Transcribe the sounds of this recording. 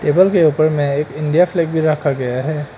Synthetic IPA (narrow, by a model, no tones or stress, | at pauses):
ʈeːbəlkeupəɾmẽeːkɪ̃ɳɖijafʰlɛːk̚bʱiɾɐkʰaɡɐjaɦɛː